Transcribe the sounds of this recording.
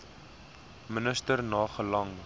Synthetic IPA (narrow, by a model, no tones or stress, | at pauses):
mənəstərnɑːχəlɐŋ